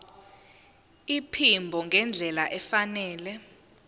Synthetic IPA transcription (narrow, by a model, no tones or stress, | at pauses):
ipʰimbʱɔŋɡʱɛnd͡ɮʱɛlaʔɛfanɛːlɛ